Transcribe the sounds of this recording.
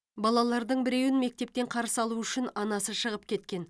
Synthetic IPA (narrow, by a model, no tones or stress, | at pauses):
bɑlˠɑlˠɑɾd̪əɴbɪɾe̞wɪnme̞k̚t̪e̞p̚t̪e̞ɴqʰɑɾsəɑlˠuʏʃɪnɑnɑsəʃəʁəp̚kʲʰe̞t̪kʲe̞n